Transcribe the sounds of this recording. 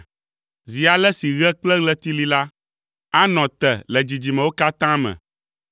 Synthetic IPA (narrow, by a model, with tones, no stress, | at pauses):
zi˨a˨lɛ˦si˨ɣɛ˦k͡plɛ˦ɣlɛ˦t̪i˦li˦la˦ | a˦nɔ̃˨t̪ɛ˨lɛ˨d͡ʑi˨d͡ʑi˨mɛ̃˨wo˦ka˦t̪ã˦mɛ̰̃˨